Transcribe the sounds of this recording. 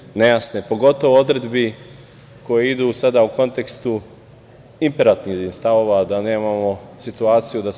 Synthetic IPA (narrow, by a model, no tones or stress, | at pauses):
nejasnepo̞ɡo̞t̪o̞ʋood̪ɾed̪bi | ko̞jeid̪uːsad̪auko̞nt̪e̞kst̪u | impeɾat̪niist̪aʋo̞ʋad̪ane̞ːmamo̞sit̪uaːt̪sijud̪a